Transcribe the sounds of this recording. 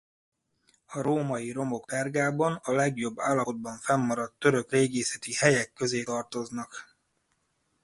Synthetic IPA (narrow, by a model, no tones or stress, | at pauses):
ɒɾoːmɒjiɾo̞mo̞kt̪ɛrɡaːbɒnɒlɛɡjo̞bːaːlːɒod̪̚bɒɱfɛmːɒɾɒt̪ːø̞ɾø̞kreːɡeːsɛt̪ihɛjɛkːø̞zeːt̪ɒrt̪o̞znɒk